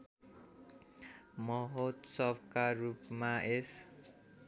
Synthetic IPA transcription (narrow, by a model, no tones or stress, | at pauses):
mʌɦot̪sʌbkarupmaes